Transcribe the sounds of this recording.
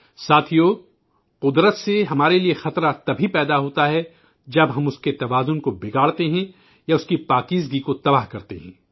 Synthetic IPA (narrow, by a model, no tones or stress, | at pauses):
saːt̪ʰijoː | qʊd̪ɾət̪seɦɐmaːɾeliexɐt̪ɾat̪ɐbʱipɛːd̪aɦoːt̪aɦɛ | d͡ʒɐbɦɐmʊsket̪ɐʋaːzʊnkobɪɡaːɽt̪eɦɛ̃ | jaʊskipaːkiːzɡikot̪ɐbaːɦkɐɾt̪ḛɦɛ̃ː